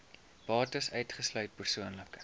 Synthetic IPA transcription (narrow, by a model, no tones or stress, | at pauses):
b̥ɑːtəsœɥtχəslœɥt̚pərsuənlək